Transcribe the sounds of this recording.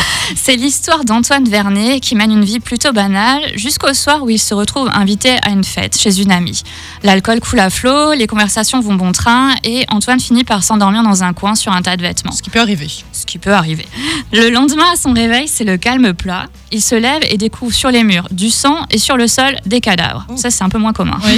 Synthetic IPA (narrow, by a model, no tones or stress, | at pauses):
sɛlist̪waʁd̪ɑ̃t̪wanvɛʁnekʲimɛnynviplyt̪obanalʒyskoswaʁuilsəʁət̪χuvɛ̰̃vit̪ea̰ynfɛ̰t̪ʃezynamḭ | lalkɔlkʰulaflolekɔ̃vɛʁsasjɔ̃vɔ̃bɔ̃t̪χɛ̃eɑ̰̃t̪wanfinipaʁsɑ̃d̪ɔʁmiʁd̪ɑ̃zɛ̃kwɛ̃syʁɛ̃t̪ad̪əvɛt̪mɑ̰̃sə̥kipøaʁivesə̥kʲipøaʁivḛləlɑ̃d̪mɛ̃asɔ̃ʁevɛjsɛləkalməpla | ilsəlɛvḛd̪ekʰuvʁsyʁlemyːʁd̪ysɑ̃esyʁləsɔld̪ekad̪a̰vʁsasɛ̥ɛ̃pømwɛ̃kɔmɛ̰̃